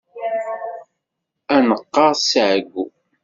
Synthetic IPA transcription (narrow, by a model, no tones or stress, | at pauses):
ænəqːɑʁsʕɡu